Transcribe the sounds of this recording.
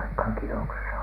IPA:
ɑikhɑŋ kinoksesɑ

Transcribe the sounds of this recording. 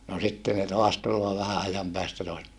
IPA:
no sitːe ne toɑs tulːoː ʋæhæ ɑjɑm pæːstæ toɑs

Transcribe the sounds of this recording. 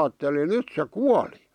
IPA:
ɑːtːelin nyt se kuɑli

